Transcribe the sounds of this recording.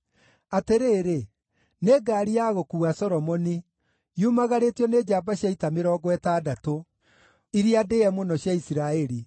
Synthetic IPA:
ateɾeːɾe | neːɡaːɾiaɣokuːɣasɔɾɔmɔni | jumaɣaɾetjɔneːd͡ʒaːbaɕjaitameɾɔːɡwɛtaːdato | iɾiadeɛmonɔɕjaisiɾaɛɾi

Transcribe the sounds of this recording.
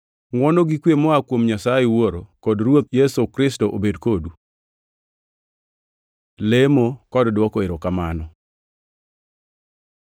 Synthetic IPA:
ŋwɔnoɡikwjemɔakwomɲasajɛwoɾokɔdrwot̪̚jɛsokɾɪstoʔobedkodu | lemokɔddwɔkɔeɾokamanɔ

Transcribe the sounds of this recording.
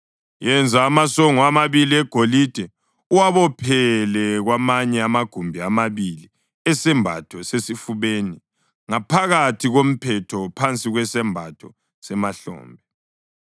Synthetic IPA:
jɛnd͡zʱaːmasɔŋɔamaβiliɛɡ̥ʱolid̥ʱɛ | uwaβɔpʰɛlɛɣwamaɲɛamaɡ̥ʱumbʱiamaβili | ɛsɛmbʱa̰tʰɔsesifuβeːni | ŋapʰaɣatʰiɣom̩pʰɛtʰɔpʰant͡sʼiɣwɛsɛmbʱatʰɔ̰ | sɛmaɬɔ̰ːmbʱɛ

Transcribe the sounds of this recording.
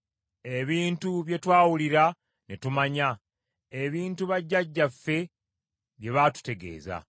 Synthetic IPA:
e̞βiːntuβje̞twaːwuliɾa | netumaɲa | e̞βiːntuβaɟːaɟːafːe̞ | βje̞βaːtu̥te̞ɡe̞̰ːza̰

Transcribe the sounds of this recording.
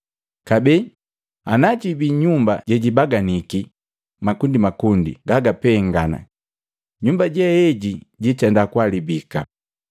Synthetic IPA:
kabɛ | anat͡ʃibiɲumbaɟɛɟibaɡaniki | makundimakundḭɡaɡapɛŋɡana̰ | ɲumbaɟɛɛɟiɟitɛndakwalibika̰

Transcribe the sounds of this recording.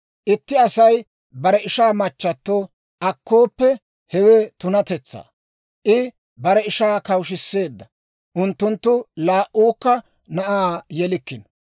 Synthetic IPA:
ʔɪt̪ːɪɐsɐj | bɐɾɛɪʃaːmɐt͡ʃːɐt̪ːoː | ʔɐkʰːoːpːɛ | hɛwɛt̪ʊnɐt̪ɛt͡sːa̰ː | ʔɪ | bɐɾɛɪʃaːkɐwʃɪsːe̞ːd̪ːɐ | ʔʊnt̪ːʊnt̪ːʊlaːʔuːkːɐ | nɐʔaːjɛlɪkːɪn

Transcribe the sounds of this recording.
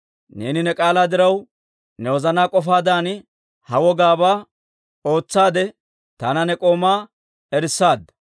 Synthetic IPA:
ne̞ːnɪnɛkʼaːlaːd̪ɪɾɐw | nɛwɔzɐnaːkʼɔfaːd̪aːnɪ | hɐwɔɡaːbaː | o̞ːt͡sːaːd̪ɛ | t̪ɐnɐnɛkʼo̞ːmaː | ɛɾɪsːaːd̪ɐ

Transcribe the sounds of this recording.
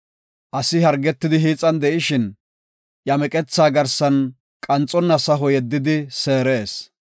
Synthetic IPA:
ʔɐsɪhɐɾɡɛt̪ːɪd̪ɪɦiːt͡sʼːɐnd̪ɛʔɪʃɪn | jɐmɛkʼɛt͡sːaːɡɐɾsɐn | kʼɐnt͡sʼɔnːɐsɐɦɔjɛd̪ːɪd̪ɪse̞ːɾe̞ːs

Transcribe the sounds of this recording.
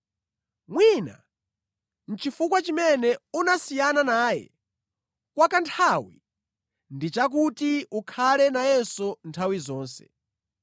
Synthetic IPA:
mwiːna̰ | n̩t͡ʃifukwat͡ʃimɛnɛunasijananaːjɛ̰ | kwakantʰawi | ndit͡ʃak̬utiukʰalɛnajɛnsɔntʰawizɔːnsɛ̰̥

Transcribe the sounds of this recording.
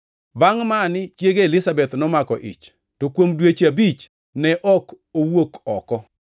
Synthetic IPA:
baŋmanɪt͡ʃjeɡeelɪsabɛt̪nɔmakɔʔɪ̰t͡ʃ | tokwomdwet͡ʃabit͡ʃ | nɛʔɔk | owokɔkɔ

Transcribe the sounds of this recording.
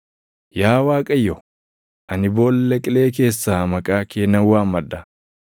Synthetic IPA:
jaːwaːkʼɐjːɔ | ʔɐnɪbo̞ːlːɛkʼɪle̞ːke̞ːsːaːmɐkʼaːkeːnɐwaːmːɐd̪ːɐ

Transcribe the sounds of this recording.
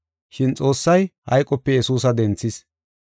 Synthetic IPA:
ʃɪnt͡sʼo̞ːsːɐjhɐ̰jkʼɔpːɛjɛsuːsɐd̪ɛnt͡sːɪs

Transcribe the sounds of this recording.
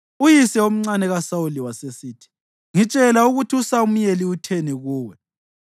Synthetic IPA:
ujisɛom̩ŋ͡ǀanɛɣasauliwasesiːtʰi̥ | ŋit͡ʃʼɛlauɣutʰiusaum̩jeliutʰeniɣuːwɛ

